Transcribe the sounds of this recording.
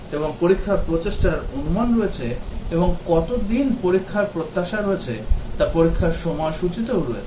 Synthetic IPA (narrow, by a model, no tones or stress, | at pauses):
eboŋpoɾikʰːapɾot͡ɕeʃʈaɾonumanɾoet͡ɕʰeeboŋkɔt̪od̪inpoɾikʰːaɾpɾot̪ːaʃaɾoet͡ɕʰet̪apoɾikʰːaɾʃɔmɔeʃut͡ɕit̪ewɾɔet͡ɕʰ